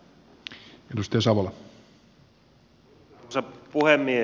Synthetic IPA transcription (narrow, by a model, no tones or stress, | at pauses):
edust̪ejɑsɑʋolɑ | sepuhemːie